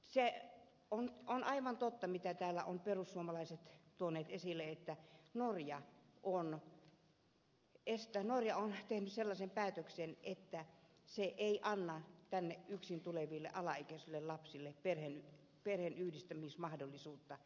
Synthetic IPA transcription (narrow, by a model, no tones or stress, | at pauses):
se | ononʔɑiʋɑnt̪ot̪ːɑmit̪æt̪æːlːæ̰ʔonperusːuomɑlɑiset̪t̪uoneːt̪esilːeet̪ːænorjɑʔon | est̪ænorjɑont̪ehnysselːɑsempæːt̪øksenʔet̪ːæ | seʔeiʔɑnːɑt̪ænːeʔʔyksint̪uleʋilːḛʔɑlɑikesilːellɑpsilːeperhen | perhenyhdist̪æmismɑhdolːˑisuːt̪ːɑ